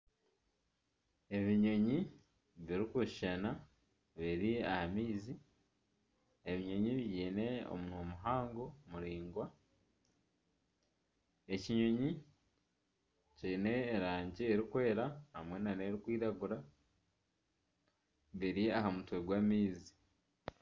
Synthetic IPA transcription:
e̞βiɲo̞ɲi | βiɾikuʃi̥ʃana | βiɾiahamiːzi | e̞βiɲo̞ɲiβjiːne̞o̰munomuɦaːŋɡo̞muɾiːŋɡwa | e̞ciɲo̞ɲi | ciːne̞ːɾaːɲɟieɾikwe̞ːɾahamwe̞nane̞ɾikwiːɾaɡuɾa | βiɾiaɦamutwe̞ɡwaːmiːzi̥

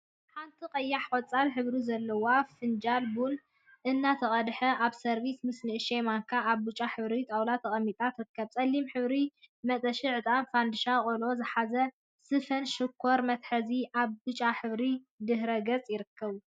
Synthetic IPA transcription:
ħant̪ʰiqʼɐjːaħkʼɐt͡sʼːalħɨβɾizɐlːɐwafɨnd͡ʒalbun | ʔɨnːat̪ʰɐχʼɐd̪ħɐʔaβsɐɾβismɨsnɨʔɨʃemaŋkʰaʔːβbɨt͡ʃʼaħɨβɾit̪ʼawlat̪ʰɐχʼɐmːit̪ʼat̪ɾɨkʰːɐβt͡sʼɐlːimħɨβɾimɐt̪ʼɐʃiʕɨt̪ʼanfand̪ɨʃakʼolo̞zɨħazɐ | sɨfɐnʃɨkʰːo̞ɾmɐt̪ħɐziʔaβbɨt͡ʃʼaħɨβɾi | d̪ɨɦɾɐɡɐt͡sʼjɪɾɨkʰːɐβ

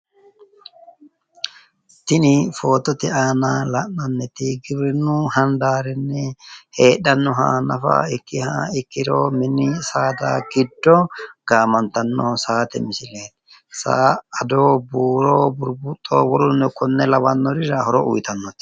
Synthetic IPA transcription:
t̪ːɪnɪfo̞ːt̪ːɔt̪ɛaːnaːlɐnɐnːɛt̪ɪɡɪbɾɛnːʊhɐnd̪aːɾɛnːɛhe̞ːɗɐnːʊɦa̰ːnɐfa̰ɪkːɪhaːɪkːɪɾoːmɪnːɪsaːd̪a̰ːɡɪd̪ːɔɡ̥aːmɐnt̪ɐnːoːsaːt̪ɛ̰mɪsɪleːt̪ | sa̰ːɐd̪oːbuːɾoːbʊɾbʊt̪ʼːo̰ːwɔɾʊnːɛkɔnːɛlɐwɐnːɔɾɪɾɐhɔɾɔʔʊ̰jt̪ɐnːɔt̪ɪ̥

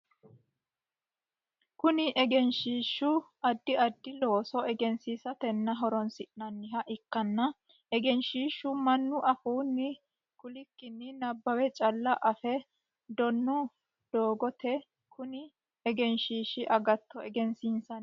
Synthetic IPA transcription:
kʊnɪʔɛɡɛnʃiːʃːʊʔɐd̪ːɪɐd̪ːɪlo̞ːsɔʔɛɡɛnsiːsɐt̪ɛnːɐɦɔɾɔnsɪʔnɐnːɪɦɐʔɪkːɐnːɐ | ɛɡɛnʃiːʃʊmɐnːʊʔɐfuːnːɪ | kʊlɪkːɪnːɪnɐbːɐwɛt͡ʃʼɐlːɐʔɐfɛ | d̪ɔnːʊ | d̪̥oːɡɔt̪ɛ | kʰʊnɪ | ɛɡɛnʃiːʃɪʔɐɡɐt̪ːɔɛɡɛnsiːnsɐn

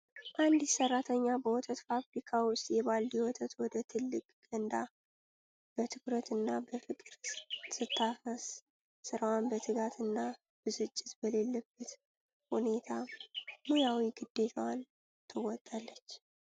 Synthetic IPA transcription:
ʔand̪isərːat̪ʰəɲːabəwɔt̪ʰət̪fabɾikʰawʊst̪ʼjɛβalːiwɔt̪ʰət̪wɔd̪ət̪ʰɨlːɨkʼɡənd̪a | b̥ət̪ʰɨkɾət̪ɨnːabəfɨkʼɨɾsɨt̪ʰːafəs | sɨɾawanbət̪ʰɨɡat̪ʰɨnːa | b̥ɨsɨt͡ʃʼːɪt̪bəlelːəbːət̪ | hune̞t̪ʰamujawiɡɨd̪ːe̞t̪ʰəwan | t̪ʰɨwɔt̪ʼːalːət͡ʃː

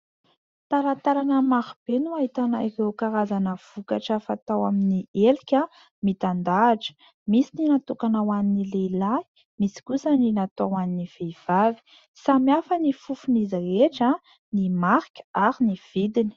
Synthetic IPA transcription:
t̪aɾat̪aɾanəmaɾib̥enuaɦit̪anairewkaɾazanəv̥ukaʈ͡ʂəfat̪awaminiʔelikʲə | mit̪and̪aːʈ͡ʂə̥ | misininat̪ukanawaninileilai̥ | misi̥kusəninat̪owaniniv̥ev̥avi̥ | samiafənifufunizɾeʈ͡ʂa | nimaɾkʲə̥aɾiniv̥id̪ini̥

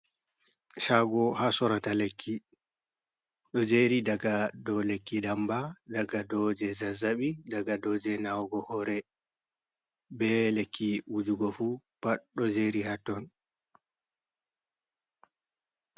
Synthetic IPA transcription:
ʃaɡɔhasɔɾatalekʰːi | ɗɔd͡ʒeɾidaɡadɔlekːidambadaɡadɔd͡ʒɛzazaɓidaɡadɔd͡ʒɛnawɡɔhɔɾɛ | bɛlekʰːiwud͡ʒuɡɔfupaɗɔd͡ʒeɾihatːɔn

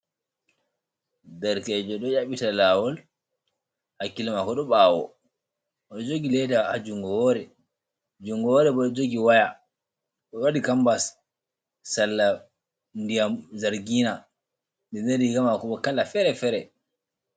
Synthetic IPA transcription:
dɛɾkɛd͡ʒɔɗɔjaɓitalaːwɔl | hakːilamakɔɗɔɓawɔ̰ | ɔɗɔd͡ʒoɡilɛdahad͡ʒuŋɡɔwɔɾɛ | d͡ʒuŋɡɔwɔɾɛɓɔɗɔd͡ʒoɡiwaja | ɗɔwadikambas | salːa | ndijamzaɾɡiːna | ɗɛneɾiɡamakɔɓɔkalafɛɾɛfɛɾɛ

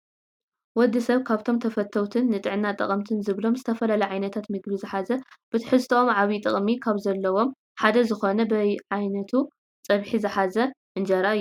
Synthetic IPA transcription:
wɔd̪ːɨsɐβkʰaβt̪ʰo̞mt̪ʰɐfɐt̪ʰːɐwt̪ʰɨnːɨt̪ʼɨʕɨnːat̪ʼɐ̰χʼɐmt̪ʰɨnzɨβlo̞mzɨt̪ʰɐfɐlɐlɐʕajnɐt̪ʰat̪mɨɡbizɨħazɐb̥ɨt̪ʰɨħɨst̪ʰomʕaβit̪ʼɨχʼmikʰaβzɐlːɐwo̞m | ħad̪ɐzɨxo̞nɐbɐʕajnɐt̪ʰu | t͡sʼɐβħizɨħazɐ | ʔɨnd͡ʒɐɾa

